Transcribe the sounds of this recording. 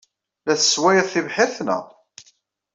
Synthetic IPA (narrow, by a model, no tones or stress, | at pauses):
læθə̥swæjəðˤθivħɪɾθnə̰